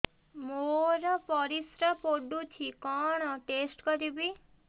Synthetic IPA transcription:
moɾɔpɔɾisɾəpoɖũt͡ʃʰikɔɽ̃ɔʈesʈkəɾibi

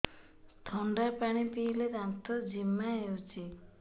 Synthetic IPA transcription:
t̪ʰɔɳɖapaɽ̃ipiɦleɾant̪ʰɔd͡ʒimːaɦewt͡ʃʰi

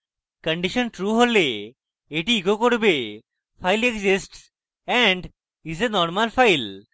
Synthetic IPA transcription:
kə̃ɳɖiʃənʈɾuːɦole | eʈiːkokoʈbe | faɪlekzisʈs | ɛ̃ɳɖ | izenɔɾməlfaɪl

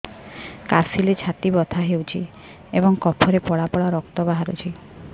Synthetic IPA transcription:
kasilet͡ʃʰat̪ibɔt̪ʰaɦewt͡ʃʰḭ | ebɔŋkɔpʰɔɾepɔɭapɔɭaɾɔk̚t̪ɔbaɦaɾṵt͡ʃʰi

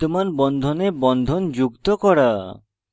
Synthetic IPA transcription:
t̪umanbɔnd̪ʱonebɔnd̪ʱond͡ʑukt̪okɔɽa

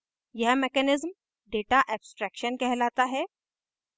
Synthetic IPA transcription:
jɐɦmekɛnɪzm | ɖeːʈaʔɛːbsʈɾɛːkʃənkɛɦlaːt̪aɦɛː

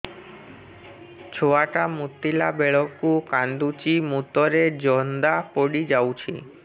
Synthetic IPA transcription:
t͡ʃʰoaʈamut̪ːilabeɭɔkukand̪ut͡ʃimut̪ɔɾed͡ʒɔnd̪apɔɽid͡ʒawt͡ʃʰi

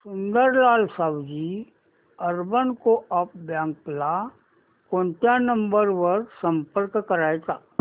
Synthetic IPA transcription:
sʊ̃nd̪əɾlaːlsaːwd͡ʒi | əɾbənkoəp̚bjãːŋkpla | kõːɳʈjanə̃mbəɾʋəɾsə̃mpəɾkkəɾaːet̪aː

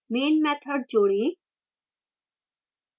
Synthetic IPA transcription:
meːnmɛt̪ʰəɽ̚d͡ʒoːɽi

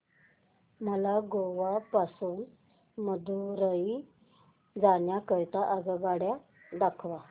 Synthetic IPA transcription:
məlaɡoʋapasuːn | məd̪ʱuɾəi | d͡zaɳjakəjt̪aʔəɡəɡaɽja | d̪akʰʋa

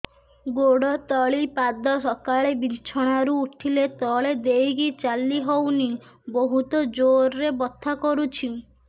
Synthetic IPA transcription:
ɡoɽɔt̪ɔɭipad̪ɔsɔkaɭebit͡ʃʰɔɽ̃aɾuːʈʰilet̪ɔɭed̪ejɡit͡ʃalːiɦɔwni | boɦut̪ɔd͡ʒoɾːebɔt̪ʰːakɔɾut͡ʃʰi

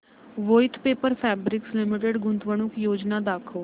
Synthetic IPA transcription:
ʋoːɪt̪ʰpeːpəɾpʰɛːbɾɪkslɪmɪʈ̬əɖɡʊnt̪ʋəɳ̃ʊkjoːd͡ʒnaːd̪aːkʰoː

